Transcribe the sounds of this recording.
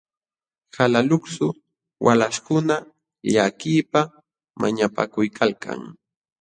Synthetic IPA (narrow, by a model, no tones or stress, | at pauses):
halalʊksʊ | wʔalaskʊna | ʎakiːpa | ma̰ɲapa̰kʊjkʰalka̰ŋ